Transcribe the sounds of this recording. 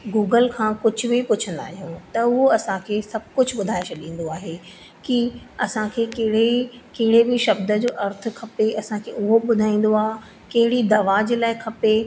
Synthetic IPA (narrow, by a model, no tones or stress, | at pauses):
ɡuːɡəlkʰãːkʊd͡ʑʱʊ̆bɪpʊt͡ɕʰə̃nd̪a̰ːɦijũt̪ɐʊɦoɐsãkʰeːsɐbʱkʊd͡ʑʱɓʊd̪ʱaːet͡ɕɐɗĩːn̆d̪oaːɦe | kiɐsãkʰeːkɐɦɪɽekɐɦɪɽebɪʃɐbd̪əd͡ʑoːʔɐɾt̪ʰʊ̆kʰɐpeʔɐsãkʰeːʊɦoɓʊd̪ʱaːĩːn̆d̪oaːɦ | kɐɦɪɽid̪ɐʋaːd͡ʑelaːɪkʰɐpe